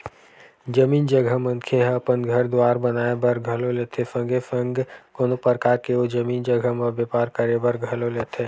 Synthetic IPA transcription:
d͡ʒəmiːnd͡ʒəɡʱəmə̃nkʰeɦɐpənɡʱəɾd̪waːɾbənaːebəɾɡʱɐloleːt̪ʰefə̃ŋɡefə̃ŋɡkonopəɾkaːɾkeod͡ʒəmiːnd͡ʒəɡʱəməbepaːɾkəɾebəɾɡʱɐloleːt̪ʰeː

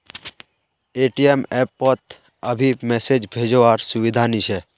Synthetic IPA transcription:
eʈiemɛpːɔt̪ | əbʱimɛsed͡ʒbʱed͡ʒoʋaɾsʊʋid̪ʱanit͡ʃʰɛ

